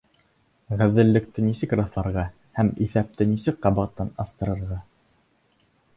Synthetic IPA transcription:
ʁæðɘ̆lːɘ̆k̚t̪ɘnisɘkrɑθlˠɑɾʁɑ | hæmiθæp̚t̪ɘnisɘkqɑβɑq̚t̪ːɑnɑst̪ɤ̆ɾɤ̆ɾʁɑ

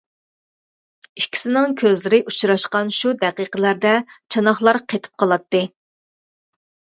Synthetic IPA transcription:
iʃkʲʰi̥sɪnɪŋkʲʰøzlɪɾɪʔut͡ʃɾɑʃqɑnʃud̪ɛqiqəlæɾd̪ɛt͡ʃʰɑnɑχlˠɑɾqʰet̪ʰɪ̥p̚qʰɑlˠɑt̪ːɨ

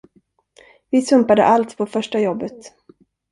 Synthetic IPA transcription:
vɪsɵmpad̪ə̰ʔalt̪pʰɔfœʂʈajɔbːət̪

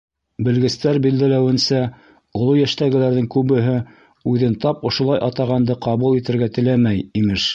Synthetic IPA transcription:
bɘ̆lɡɘ̆st̪æɾbild̪ælæwɘ̆nsæ | ŏlˠojæʃt̪æɡɘ̆læɾðɘŋkʉβɘ̆ɦɘ | ʉðɘnt̪ɑpŏʃŏlˠɑjʔɑt̪ɑʁɑnd̪ɤqɑβulˠit̪ɘ̆ɾɡæt̪ɘ̆læmæjimɘʃ

